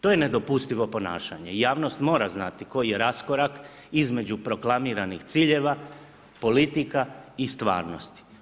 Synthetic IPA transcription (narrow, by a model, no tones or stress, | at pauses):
t̪o̞jene̞d̪o̞pust̪iʋo̞po̞na̰ːʃa̰ɲejaːʋno̞st̪mo̞ːɾaznat̪iko̞jije̞ɾasko̞ɾak | izme̞d͡ʒupɾo̞klamiɾanixt̪siːʎe̞ʋa | po̞lit̪ikaist̪ʋa̰ːɾno̞̰st̪i̥